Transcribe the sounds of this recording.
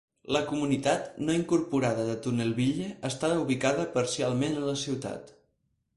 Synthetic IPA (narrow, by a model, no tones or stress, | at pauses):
ləkumunit̪at̪noiŋkuɾpuɾaðəðət̪unelˠβiʎeəst̪aβəuβ̞ikaðəpəɾsialˠmenələsiwt̪a̰t̪